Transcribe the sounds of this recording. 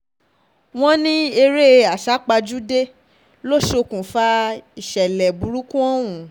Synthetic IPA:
w̃ɔ̃˦nĩ˦e˧ɾe˦a˨ʃa˨˦k͡pa˧d͡ʒu˦de˦ | lo˦ʃo˧kũ˨fa˧i˨ʃɛ˨lɛ˨bu˨˦ɾu˦kũ˦ɔ̃˦wũ˨

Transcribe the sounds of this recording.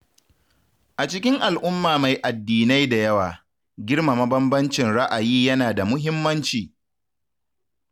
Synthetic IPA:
ʔa˨t͡ʃɪ˦kʲɪ˦ŋʔa˨lʔʊ˦mːaː˨ma˨jʔa˨dːiː˨na˦jda˨jɐ˦waː˨ | ɡʲɪ˦ɽma˨mɐ˦bɐ˦mbɐ˦nt͡ʃɪ˨nɽa˦ʔa˨jiː˦jɐ˦naː˨da˨mʊ˦ɦɪ˦mːɐ˦nt͡ʃiː˨

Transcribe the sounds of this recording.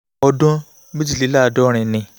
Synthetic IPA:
ɔ˧dɔ̃˦ | bi˦d͡ʒi˦˨li˨˦la˦˨dɔ˦ɾ̃ĩ˧˨nĩ˨

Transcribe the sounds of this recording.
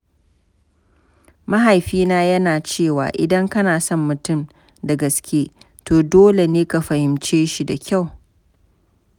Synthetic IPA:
mɐ˦ɦa˨jɸiː˦naː˦jɐ˦naː˨t͡ʃeː˦˨wa̰ː˨ʔɪ̰˨dɐ˦ŋkɐ˦naː˨sɔ˦˨mːʊ˨tʊ˦˨m | dɐ˨ɡɐ˨skʲeː˦ | toː˨doː˦le˨neː˦ka˨ɸɐ˨hɪ˨mt͡ʃeː˦ʃi˦da˨kʲa˦˨w

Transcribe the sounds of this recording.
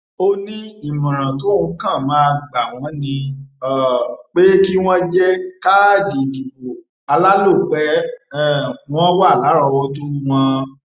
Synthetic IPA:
o˦nĩ˦i˦˨mɔ̃˨ɾ̃ã˨to˨˦˧kã˦˨mãː˨˦˧ɡ͡ba˨w̃ɔ̃˨˦nĩ˧ɔ˦˨k͡pe˦ki˦w̃ɔ̃˦d͡ʒɛ˦ka˦˨di˨di˨bo˨ | a˧la˦lo˦˨k͡pɛ˨˦ɛ˦˨w̃ɔ̃˦wa˦˨la˨˦ɾɔ˧wɔ˧t̬o˦w̃ɔ̃˦

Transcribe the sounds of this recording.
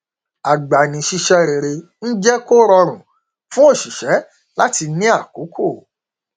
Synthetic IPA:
a˨ɡ͡ba˨nĩ˨ʃi˧ʃɛ˧ɾe˨ɾe˧ | n̩˦d͡ʒɛ˦ko˦ɾɔ˧ɾ̃ũ˨ | fũ˦o˦˨ʃi˨ʃɛ˨˦ | la˦ti˧nĩ˦a˦˨ko˨˦kʰo˦˨

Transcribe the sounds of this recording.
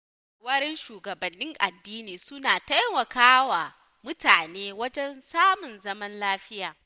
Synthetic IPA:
wɐ˦ɾɪ˦nʃuː˨ɡɐ˨bɐ˨nːɪ˦ŋʔa̰˨dːiː˦niː˨sʊ˦naː˨ta˦jmɐ˨kaː˦wa˨ | mʊ˦taː˨neː˦wɐ˦d͡ʒɛ˦nsaː˦mʊ˨nzɐ˦mɐ˦nlaː˦ɸɪ˦jaː˨

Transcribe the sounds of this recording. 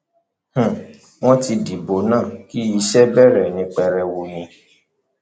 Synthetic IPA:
h̩˨ | w̃ɔ̃˦ti˧di˨bo˨˦nãː˦˨ki˦i˧ʃɛ˦bɛ˦˨ɾɛ˦˨nĩ˧k͡pɛ˧ɾɛ˧wo˧j̃ĩ˧

